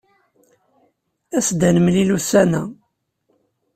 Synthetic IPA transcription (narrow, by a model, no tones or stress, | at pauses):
æsd̪ænəmlilusænæ